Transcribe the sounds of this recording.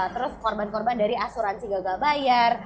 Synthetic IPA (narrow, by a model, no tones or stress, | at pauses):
t̪əɾʊskɔrbankɔrbandaɾiasuɾansiɡaɡabajar